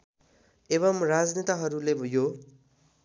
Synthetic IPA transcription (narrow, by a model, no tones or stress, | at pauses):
eβʌmrad͡znet̪aɦʌɾulebʱʌjo